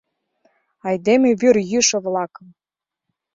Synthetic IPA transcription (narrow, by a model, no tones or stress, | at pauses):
ɑjd̪emĕβyrjyʃɤ̆βlɑkə̆m